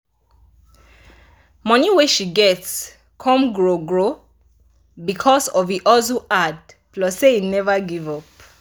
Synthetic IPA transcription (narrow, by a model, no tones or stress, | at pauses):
mʌniweʃiɡɛts | kʰɔ̃mɡɹoɡɹo | bikʰɔsɔviʔɔzuʔad̚ | plɔseinɛvəɡivɔp